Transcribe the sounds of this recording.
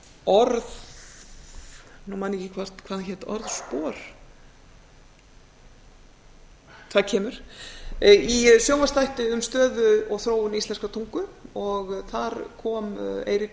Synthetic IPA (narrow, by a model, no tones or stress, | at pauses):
ɔɾð | numanːɪcɪkʰvaɾ̥t̪kʰvaɾçɛ̥t̪ɔ̰ɾðspɔːɾ̥ | t̪ʰvacʰɛːmʏɾ̥ | isjowmast̪ajht̪ɪʏmst̪œːðʏɔɣθɾoːwʏnist̪lɛnskat̪ʰuŋkʏɔɣθaɾkʰɔːmḛːjɾɪ